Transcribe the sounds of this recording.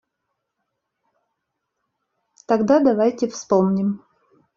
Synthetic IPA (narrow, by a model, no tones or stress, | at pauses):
t̪ɐɡd̪ad̪ɐvajtʲɪfspomnʲɪm